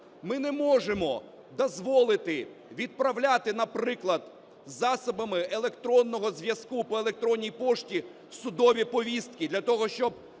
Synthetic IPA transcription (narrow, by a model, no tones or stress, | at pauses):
mɪnɛmɔʒemɔ | d̪ɔzʋɔlˠɪt̪ɪʋʲid̪̚pɾɐwlʲat̪ɪnɐpɾɪklˠɐd̪̥ | zɑsɔbɐmɪelˠekt̪ɾɔnːɔɦɔzʋʲjɐskupɔelˠek̚t̪ɾɔnʲːijpɔʃtʲi | sʊd̪ɔʋʲipɔʋʲist̪̚kʲid̪lʲɐt̪ɔɦɔʃt͡ʃɔb̚